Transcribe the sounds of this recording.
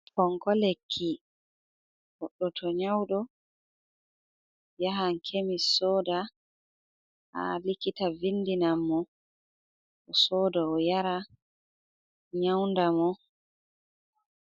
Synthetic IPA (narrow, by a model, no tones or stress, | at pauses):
kɔŋkɔlekʰːi | ɡɔɗːɔtʰɔɲawɗɔ | jaɦaŋkʰemisɔːda | ha̰likitavinːdinamːɔ | ɔsɔːdaɔjaɾa | ɲawndamɔ